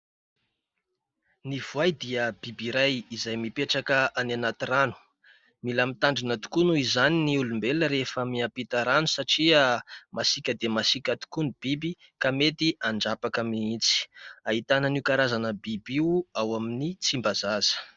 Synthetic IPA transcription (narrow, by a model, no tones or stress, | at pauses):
niv̥uajd̪iəbibiɾajizajmipeʈ͡ʂakəananat̪iranu̥ | milamit̪aɳɖ͡ʐinat̪u̥kunuizaniniulumbeləɾefəmiapit̪aɾanusaʈ͡ʂiamasikʲəd̪emasikʲat̪u̥kunib̥ibi | kamet̪iʔaɳɖ͡ʐapakəmiit͡si̥aɦit̪anənikaɾazanəbibiuawaminit͡simbazaz̥ə̥